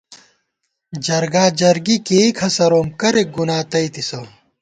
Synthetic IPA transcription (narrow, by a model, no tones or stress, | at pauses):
d͡ʑɐɾɡaːd͡ʑɐɾɡikeːikʰɐsɐɾoːmkɐɾeɡunaːt̪ɐit̪isɐ